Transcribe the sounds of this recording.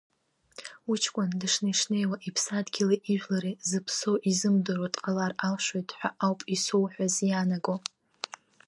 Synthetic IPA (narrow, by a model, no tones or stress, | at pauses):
ut͡ʃʰkʷʼʊndɨʂnaʂne̞jwaʔipʰsadɡʲilaʔiʒᶣlaɾizɨpʰsowʔizɨmdɨɾatʼqʼalaralʃʷojtʼħʷᶣaʔawpʼisowħʷᶣazjanaɡo